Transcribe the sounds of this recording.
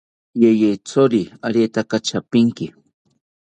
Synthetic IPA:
jejejt͡soɾiaɾet̪akat͡ʃapɪŋkɪ

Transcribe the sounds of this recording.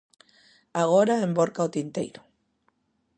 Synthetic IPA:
aɣ̞oɾaemboɾkaot̪int̪ḛjɾo̥

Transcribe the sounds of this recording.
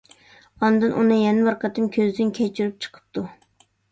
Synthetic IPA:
ɑnd̪ɨnʔunɨjɛnɪwɑɾqɑt̪ɨmkʲʰøzd̪ɪnkʲʰɛt͡ʃʰyɾyp̚t͡ʃʰə̥qʰə̥p̚t̪ʰu

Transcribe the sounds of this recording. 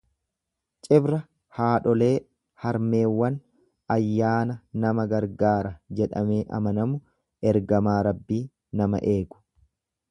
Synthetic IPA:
t͡ʃʼɪbɾɐ | haːᶑɔle̞ː | hɐɾme̞ːwːɐn | ɐjːaːnɐnɐmɐɡɐɾɡaːɾɐd͡ʒɛᶑɐ̰me̞ːʔɐ̰mɐnɐmʊ | ɛɾɡɐmaːɾɐbːiː | nɐmɐ̰ʔe̞ːɡʊ̥

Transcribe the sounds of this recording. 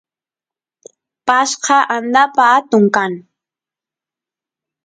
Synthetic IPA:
paʃqɑʔand̪apaat̪ʊŋkaŋ

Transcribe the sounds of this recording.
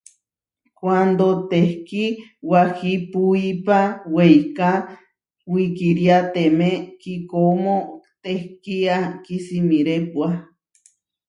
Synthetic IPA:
kwand̪ot̪ehkiwahipuipawejka | wikiɾjat̪emẽkikomot̪ehkiakisimiɾepwa

